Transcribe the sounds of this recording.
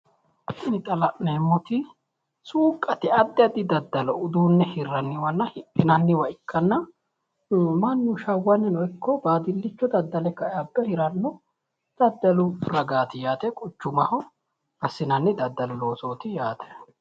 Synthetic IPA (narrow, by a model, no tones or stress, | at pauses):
ɪnɪt̪ʼɐlɐʔneːmːɔt̪ɪ | suːkʼːɐt̪ɪɐd̪ːɪɐd̪ːɪd̪ɐd̪ːɐlɔʊd̪uːnːɛhɪrːɐnːɪwɐnːɐhɪpʼːɪnɐnːɪwɐʔɪkːɐnːɐ | mɐnːuʃɐwːɐnːɛnɔɪkʰːɔbaːd̪ɪlːɪt͡ʃːɔd̪ɐd̪ːɐlɛkːɐɐbɛhɪɾɐnːɔ | d̪̥ɐd̪ːɐlʊɾɐɡaːt̪ɪjaːt̪ɛkʼʊt͡ʃːʊmɐhɔ | bɐsːɪnɐnːɪd̪ɐd̪ːɐlɔloːsoːt̪ɪjaːt̪ʰɛ̥